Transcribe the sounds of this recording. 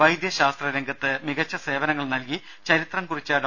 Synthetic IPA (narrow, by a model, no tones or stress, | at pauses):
ɐjd̪jɐɕaːst̪rɐɾeŋɡɐt̪ːɨmiɣɐt͡ɕːɐse̞ːʋɐnɐŋːɐɭnɐlki | t͡ɕɐɾit̪rɐmkurit͡ɕːaːɽ